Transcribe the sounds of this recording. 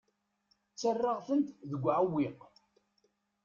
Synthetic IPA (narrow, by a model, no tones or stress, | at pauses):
t͡sːərːɑʁθənt̪ðəɡʷʕəwːiq